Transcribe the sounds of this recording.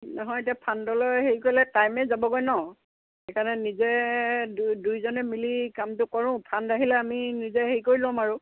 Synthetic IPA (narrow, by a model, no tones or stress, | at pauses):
nɔɦɔjet̬iapʰandɔlojɦeɹikojlɛtajmɛzabɔɡojnɔ | ɛkʰanɛnizɛddujzɔnɛmilikamtʊkɔɹʊ̃pʰandaɦilɛaminizɛɦeɹikoɹilɔ̃maɹʊ